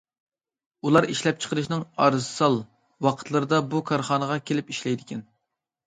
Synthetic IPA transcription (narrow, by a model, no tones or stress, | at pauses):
ulˠɑɾiʃlɛp̚t͡ʃʰə̥qʰəɾɨʃnɨŋɑɾzɨsɑlˠ | wɑqʰət̪ʰlˠɨɾɨd̪ɑbukʰɑɾχɑnəʁɑkʲʰelɪpiʃlɛjd̪ɪkʲʰɛn